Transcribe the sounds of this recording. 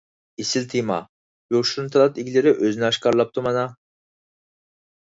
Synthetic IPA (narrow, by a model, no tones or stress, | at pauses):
isilt̪ʰimɑ̰ | joʃuɾnt̪ʰalɑt̪iɡʲlʲeɾɪʔøzynɛɑʃkɑɾlˠɑp̚t̪ʰumɑnɑ